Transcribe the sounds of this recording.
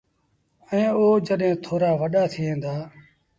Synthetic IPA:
ẽːoːd͡ʒəɗɦẽːt̪ʰoːɾaːʋəɗaːt̪ʰiːɦẽːnd̪aː

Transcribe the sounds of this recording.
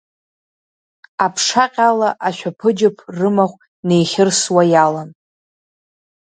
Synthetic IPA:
apʰʂaqʲʼalaʔaʃᶣapʰɨd͡ʒɪpʰrɨmaχʷ | ne̞jχʲɪrswajalan

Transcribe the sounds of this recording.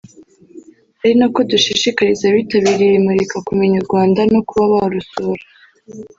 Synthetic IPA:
aɾinakoduʃiʃikaɾizaβitaβiːɾijemuɾikakumuɲaɾɡwaːndanokuβaβahoɾusuːɾḁ

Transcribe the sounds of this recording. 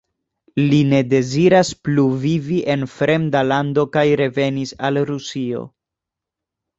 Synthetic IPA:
line̞de̞ziɾaspluviviʔe̞nfɾe̞mdalando̞kajɾe̞ve̞nisalɾusio̞̰

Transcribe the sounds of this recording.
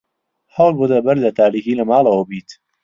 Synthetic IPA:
hɐwlˠbud̪ɐbɐɾlɐt̪ʰaːɾiːxiːlɐmaːlˠɐwɐbiːt̪

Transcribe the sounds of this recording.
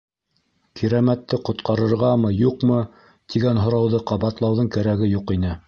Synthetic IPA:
kʰiɾæmæt̪ːɘqŏt̪qɑɾɤ̆ɾʁɑmɤjuqmɤ | t̪iɡænɦŏɾɑwðɤqɑβɑt̪lˠɑwðɤɴkæɾæɡɘjuqinɘ

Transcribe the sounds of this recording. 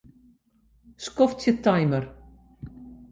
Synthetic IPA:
skɔftɪt̪ʰːajməɾ

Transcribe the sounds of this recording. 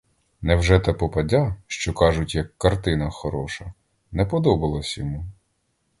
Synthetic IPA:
nɛwʒɛt̪ɐpɔpɐdʲaʃt͡ʃɔkɑʒʊtʲjɐkːɐrt̪ɪnɐxɔɾɔʃɐ | nɛpɔd̪ɔbɐlˠɐsʲjɔmu

